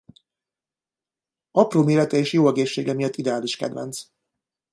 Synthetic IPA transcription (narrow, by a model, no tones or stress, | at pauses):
ɒproːmeːɾɛt̪ɛeːʃjoːɛɡeːʃːeːɡɛmijɒt̪ːid̪ɛaːliʃkɛ̰d̪vɛ̰nt̪s